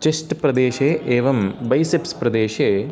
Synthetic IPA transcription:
t͡ʃesʈpɾɐd̪eːʃeːʔeːʋɐmbɐjsepspɾɐd̪eːʃe

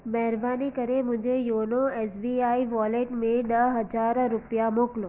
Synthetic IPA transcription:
mɛɦɾbanikəɾemʊ̃d͡ʒʱejoːnoesbiaiʋɔleʈmẽɖ̪əɦəd͡ʒaɾɾʊpjamoːklo

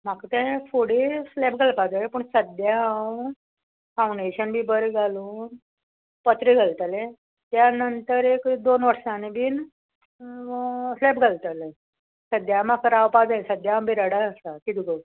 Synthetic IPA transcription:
makt̪ɛ̃fuɽeslɛp̚ɡʱəlpad͡zajepəɳsəd̪jaaw | fawɳɖeɕənbʱiːbəɾeɡʱaluːn | pət̪ɾiɡʱalt̪ale | t̪janənt̪əɾekd̪onʋəɾʂãnebʱiːn | slepɡʱalt̪ale | səd̪jamakɾawpad͡zasəd̪jaãwbʱiɾaɽaəsakit̪iɡə

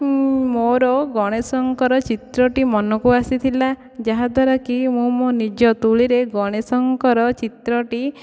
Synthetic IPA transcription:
moɾɔɡɔɽ̃esɔŋkɔɾɔt͡ʃit̪ɾɔʈimɔnɔkuasit̪ʰila | d͡ʒaɦad̪ʱwaɾɔkimũmonid͡ʒɔt̪uɭiɾeɡɔɽ̃esɔŋkɔɾɔt͡ʃit̪ɾɔʈi

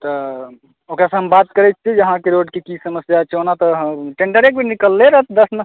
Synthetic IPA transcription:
t̪ɔ | okɾasə̃ɦəmbat̪kəɾɛt͡ʃ̪̚ʰt͡ʃʰid͡ʒəɦãkeɾoɖkekisəməsjat͡ʃʰonat̪ɔɦəʈẽɳɖəɾek̚bʱinikəlːeɾəɦət̪̚ʰd̪əsnə

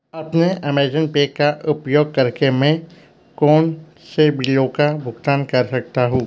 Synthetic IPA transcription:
ɐpneɛmeːd͡ʒənpeːkːaʔʊpjoːɡ̚kɐɾkemɛ̃ | kɔːn | sebɪɖiokabʱʊɡt̪aːnkɐɾsɐk̚t̪aɦũː

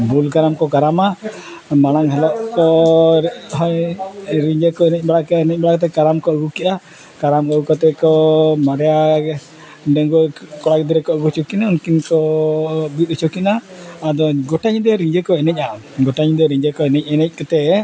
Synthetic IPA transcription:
bulkaɾamkɔkaɾama | maɽ̃aŋɦɛlɔʔkɔ | ɦɔjɾiɲd͡ʒɛkɔɛnɛc̚baɽakɛnɛc̚ˀbaɽakɔt̪̬ɛkaɾamkɔɡukiʔa | kaɾamkɔɡukɔt̪ɛkɔmaɾɛja | ɖɛŋɡɔkɔɽak̚d̪iɾɛkɔʔɡut͡ʃukinaunkinkɔ | bit̪̚ɛt͡ʃukinaːd̪ɔɡɔʈaɲd̪ɛɾiɲd͡ʒɛkɔɛnɛc̚a | ɡɔʈaɲd̪ɛɾiɲd͡ʒɛkɔɛnɛc̚ˀɛnɛc̚ˀkɔt̪ɛ

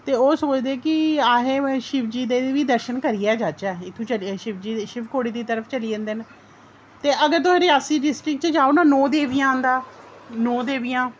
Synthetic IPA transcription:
t̪eːoːsoːt͡ʃd̪eːkɪaːɦẽːʃɪʋd͡ʒiːd̪eːʋiːd̪əɾʃənkəɾiːɛːd͡ʒat͡ʃɛːɪt̪ʰːũːt͡ʃəlʃɪʋd͡ʒiːʃɪpkoːɽiːd̪iːt̪əɾəpʰt͡ʃəliːə̃nd̪eːn | t̪eːʔəɡəɾt̪ʊẽːɾɪaːsiːɖɪsʈɾɪk̚t͡ʃəd͡ʒaːonãːnɔːd̪eːʋijãːnd̪aː | nɔːd̪eːʋijãː

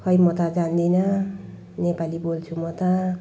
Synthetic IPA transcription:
hʌjmʌt̪ad͡zand̪inʌ | nepalibolt͡sʰumʌt̪ʌ

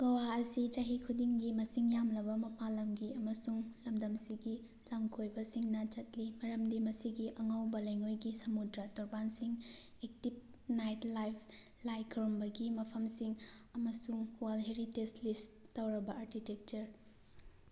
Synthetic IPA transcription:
ɡ̥ɐwaɐsit͡ʃɐɦikʰudiŋɡimɐsiŋjamlɐbɐmɐpalɐmɡiɐmɐsuŋlɐmd̪ɐmsiɡi | lɐmkʰojbɐsiŋnɐt͡ʃɐt̚limɐɾɐmdimɐsiɡiʔɐŋawbɐlɐjŋojɡisɐmudɾatɔɾbansiŋ | ek̚tip̚ | najtlajpʰ | lajkʰɾombɐɡimɐpʰɐmsiŋɐmɐsuŋwalɦeɾitestlistɐwɾɐbɐaɾkʰitek̚t͡ʃɐɾ

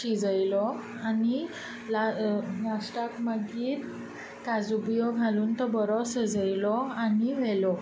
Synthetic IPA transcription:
ɕid͡zəjlɔ | ani | lalasʈakməɡiːɾ | kad͡zubijɔɡʱaluːnt̪ɔbɔɾɔsəd͡zəjlɔaniʋɛlɔ

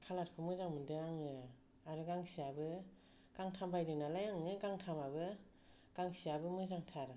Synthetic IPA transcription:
kʰalat̚pʰɯmɯzaŋmɯndɯaŋɯ | aɾɯɡaŋsiabɯ | ɡ̥aŋtʰambʰajdɯnalajaŋɯɡaŋtʰamabɯ | ɡ̥aŋsiabɯmɯzaŋtʰaɾ

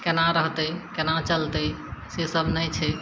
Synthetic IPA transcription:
kenaɾəɦt̪əkenat͡ʃəlt̪əsesəbʱnəjt͡ʃʰɛ

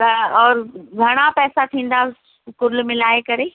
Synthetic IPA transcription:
t̪ɐɔːɾɡʱɐɽ̃apɛːsat̪ʰĩːn̆d̪a | kʊɾlmɪ̃laːekɐɾeː

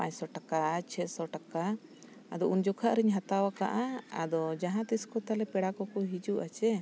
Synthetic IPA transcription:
pa̰ɲsɔʈakat͡ʃʰɛsɔʈaka | ad̪ɔʔund͡ʒɔkʰaʔɾiɲɦat̪awaka̰ʔaa̰d̪ɔd͡ʒaɦãt̪iskɔt̪alɛpɛɽakɔkɔɦid͡ʒuʔat͡ʃɛ

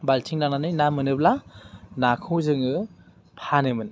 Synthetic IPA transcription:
baltʰiŋnananɯjnamɯnɯplanakʰɯzɯŋɯ | pʰanɯmɯn

